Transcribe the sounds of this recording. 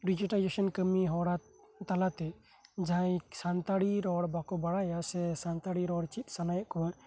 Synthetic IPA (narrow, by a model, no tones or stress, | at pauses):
ɖid͡ʒiʈalid͡ʒesɔnkəmiɦɔɽa | t̪alat̪ɛ | d͡ʒaajsant̪aɽiɾɔɽbakɔbaɽajasɛsant̪aɽiɾɔɽt͡ʃit̪̚ˀsanajəʔkɔɾ